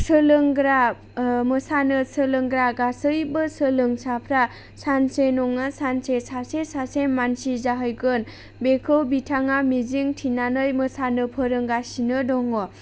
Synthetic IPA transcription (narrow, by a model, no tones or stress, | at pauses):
sɯlɯŋɡɾa | mɯsanɯsɯlɯŋɡɾaɡasɯjbɯsɯlɯŋsapʰɾa | sansenɔŋasansesasesasenmansizaɦɯjɡɯn | bekʰɯwbitʰaŋamiziŋtʰinanɯjmɯsanɯpʰɯɾɯŋɡasinɯdɔŋɔ